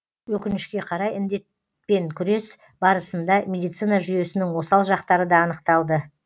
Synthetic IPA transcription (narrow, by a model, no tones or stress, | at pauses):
wɵkʲɪnɪʃkʲe̞qʰɑɾɑjɪnd̪e̞t̪̚ | pe̞ŋkʲʰʏɾe̞s | bɑɾəsənd̪ɑmʲe̞d̪ijt̪sɨjnɑʒʏje̞sɪnɪŋwo̞sɑlˠʒɑqt̪ɑɾəd̪ɑːnəqt̪ɑlˠd̪ə